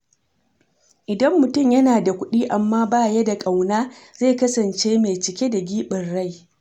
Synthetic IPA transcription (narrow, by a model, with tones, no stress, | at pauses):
ʔɪ˨dɐ˦mːʊ˨tʊ˦˨mjɐ˦naː˨da˨kʷʊ˦ɗiː˦ʔa˨mːaː˦baː˦˨jɐ˦da˨kʼa˨wnaː˦zeː˦˨kɐ˦sɐ˨nt͡ʃeː˦me˨t͡ʃɪ˨kʲe˦da˨ɡʲiː˦ɓɪ˨rːa˦˨j